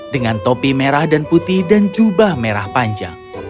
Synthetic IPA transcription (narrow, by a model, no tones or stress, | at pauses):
dəŋant̪opimeɾahdanput̪idand͡ʒubahmeɾahpaɲd͡ʒa̰ŋ